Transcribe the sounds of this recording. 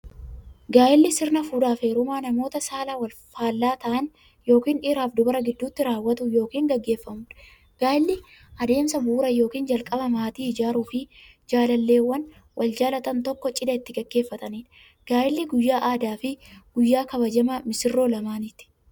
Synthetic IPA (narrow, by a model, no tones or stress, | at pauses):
ɡaːjɪlːɪsɪɾnɐfuːᶑaːfeːɾʊmaːnɐmo̞ːt̪ɐsaːlɐwɐlfaːlːaːt̪ɐʔɐn | jo̞ːkiːnʔɪɾaːfd̪ʊbɐɾɐɡɪd̪ːuːt̪ːɪɾaːwːɐt̪ʊjo̞ːkiːŋɡɐɡːe̞ːfːɐmʊᶑɐ̥ | ɡ̥aːjɪlːɪ | ʔɐd̪e̞ːmsɐbuːɾɐjo̞ːkiːnd͡ʒɐlkʼɐbɐmaːt̪iːɪd͡ʒaːɾuːfɪ | d͡ʒaːlɐlːe̞ːwːɐn | wʔɐld͡ʒaːlɐt̪ɐnt̪ɔkːɔt͡ʃʼɪd̪ɐɪt̪ːɪɡɐɡːe̞ːfːɐt̪ɐniːᶑ | ɡ̥aːjɪlːɪɡʊjːaːʔaːd̪aːfɪɡ̥ʊjːaːkɐβɐd͡ʒɐmɐmɪsɪrːo̞ːlɐmaːnɪt̪ːɪ̥